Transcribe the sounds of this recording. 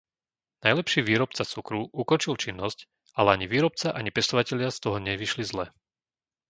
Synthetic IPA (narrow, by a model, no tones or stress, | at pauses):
najlɛpʃiːʋiːɾɔp̚t͡sat͡sukɾuʔukɔnt͡ʃilt͡ʃinːɔsc | alɛaɲiʋiːɾɔpt͡saʔaɲipɛst̪ɔʋacɛʎɪast̪ɔɦɔɲɛʋiʃlizlɛ